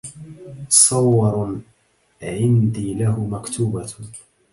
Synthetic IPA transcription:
sˤɑwːɑɾˤ | ʕɪnd̪iːlahʊmakt̪ʰuːba

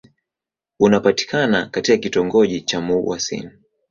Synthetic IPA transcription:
unapati̥kʰanakatikakitɔŋɡɔʄit͡ʃamuwa̰sḭni

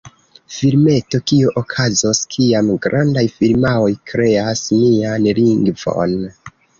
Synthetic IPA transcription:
filme̞to̞kioʔokʰazoskʰiamɡɾʔandajfilmao̞jkɾe̞asnianliŋɡvo̞̰n

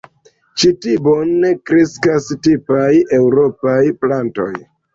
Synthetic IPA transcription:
t͡ʃitibonːekɾiskastipaje̞wɾo̞pajplanto̞̰j

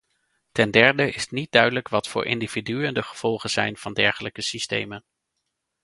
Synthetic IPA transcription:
tɛndɛɹdəʔɪstnit̚dœɥdələkʋɑtfʊ̰ːɹʔɪ̰ndividyəndəχəv̥ɔlˠχənz̥ɛjnv̥ɑndɛɹχələkəsistḛjmən

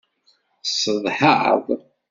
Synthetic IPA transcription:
səðˤħəʕðˤ

